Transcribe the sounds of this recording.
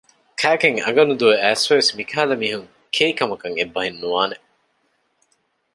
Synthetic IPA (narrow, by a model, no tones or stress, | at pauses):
kʰæːkeŋɐ̰ɡɐnud̪uʋeæːsʋeʋesmikʰæːlɐmiːɦuŋ | kʰeikɐmɐkɐŋebːɐɦinːuʋaːne